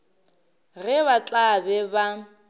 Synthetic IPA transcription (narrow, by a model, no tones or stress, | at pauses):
ɣɛβat͡ɬʼabɛba